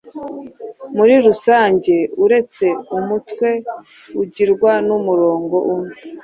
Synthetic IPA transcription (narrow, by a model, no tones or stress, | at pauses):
muɾiɾusaːɲɟe̞uɾe̞t͡se̞umutkwe̞ | uɟiɾɡwanumuɾo̞ːŋɡo̞ʔune